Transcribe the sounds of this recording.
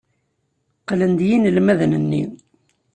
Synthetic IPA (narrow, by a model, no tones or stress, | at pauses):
qlənd̪jinəlmæðnənːi